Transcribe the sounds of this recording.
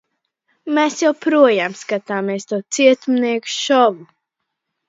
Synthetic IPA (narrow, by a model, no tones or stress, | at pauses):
mesjawpɾuɔjaːmskat̪aːmiɛst̪uɔt̪siɛt̪umniɛku̥ʃɔvu